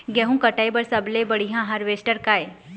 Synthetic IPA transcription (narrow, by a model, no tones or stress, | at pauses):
ɡɛɦũkəʈaːjbəɾsɐblebəɽiɦãɦɐɾʋesʈəɾkaːe